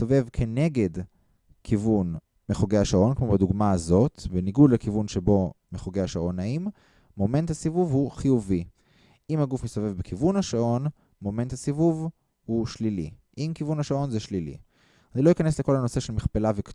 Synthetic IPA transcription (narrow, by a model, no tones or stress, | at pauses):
ove̞vkʰe̞ne̞ɡe̞d | kʰivun | meχoɡejhaʃaʔo̞nkmobeduɡmaazo̞t̪beniɡudlekivunʃebo̞meχoɡejaʃao̞naim | mo̞me̞nt̪hasivuvhuχijuvi | ʔimhaɡufmistovevbekʰivunaʃaʔo̞n | mo̞me̞nt̪hasivuv | huʃlilḭʔimkivunhaʃao̞nzeʃlilḭ | aniloikane̞sle̞ko̞lhano̞seʃelmiχpelavek